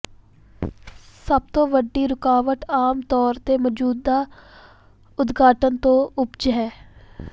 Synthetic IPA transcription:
səbt̪õːʋəɖːiːɾʊkaːʋəʈ̪aːmt̪ɔːɾt̪eːmɔd͡ʒuːd̪ːaː | ʊd̪ɡaːʈənt̪õːʊpd͡ʒɦɛː

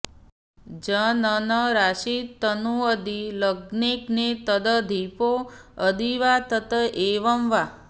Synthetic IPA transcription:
d͡ʒənənəɾaʃit̪ənuəd̪iləɡneknet̪əd̪əd̪ʱipoəd̪iʋat̪ət̪əʔeʋəmʋa

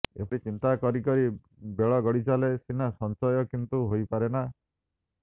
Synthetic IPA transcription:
ḛpɔʈit͡ʃint̪akɔɾikɔɾi | beɭɔɡɔɽit͡ʃalesinasɔnt͡ʃɔjɔkint̪uɦojpaɾena

